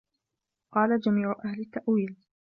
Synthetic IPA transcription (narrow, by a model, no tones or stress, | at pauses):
qɑːlad͡ʒamiːʕʊʔahlɪt̪ːaʔwiːl